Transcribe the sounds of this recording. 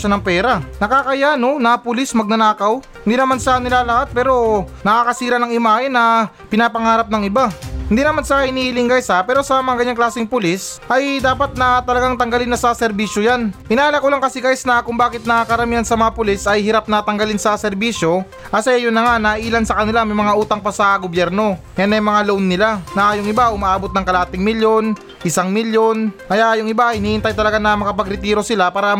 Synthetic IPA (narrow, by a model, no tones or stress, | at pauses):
ʃanɐŋpɛːɾanɐkaːkɐjano̞nɐpʊlismɐɡ̚nɐnaːkɐw | ɪnd̪iːnɐmansɐnɪlalɐhat̪̚pɛːɾo̞nɐkaːkɐsiːɾɐnɐŋɪmaːɪnɐ | pɪnaːpɐŋaːɾɐp̚nɐŋɪbahɪnd̪iːnɐmansɐhɪniːlɪŋɡajsapɛːɾo̞sɐmaŋɡɐɲaŋklaːsɪŋpʊlisʔɐjd̪aːpɐt̪̚nɐt̪ɐlɐɡaŋt̪ɐŋɡɐlɪnːɐsasɛɾbiːʃjojanʔɪnaːlɐkolaŋkɐsɪɡajsnɐkʊŋbaːkɪt̪̚nɐkɐɾɐmiːɐnsɐmɐŋapʊlisɐjɦɪɾap̚nɐt̪ɐŋɡɐlɪnsɐsɛɾbiːʃjo̞ | ʔɐsɐjajʊnːɐŋanɐʔiːlɐnsɐkɐnɪlamɐjmɐŋaʔuːt̪ɐŋpɐsɐɡobjɛɾno̞ | janɐjmɐŋalownːɪlanɐjʊŋɪbaʔʊmaʔaːbot̪̚nɐŋkɐlaːt̪ɪŋmɪljo̞n | ʔɪsaŋmɪljo̞nkɐjajʊŋɪbaɪniːɪnt̪ajt̪ɐlɐɡanɐmɐkɐpɐɡɾɪt̪iːɾo̞sɪlapaːɾɐ